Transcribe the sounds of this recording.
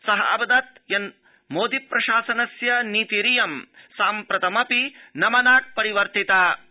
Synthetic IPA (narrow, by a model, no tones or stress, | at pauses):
sɐɦɐɐ̰bɐd̪ɐt̪jɐn | moːd̪ipɾɐʃaːsɐnɐsjɐniːt̪iɾijɐmsaːmpɾɐt̪ɐmɐpinɐmɐnaːk̚pɐɾiʋɐɾt̪it̪aː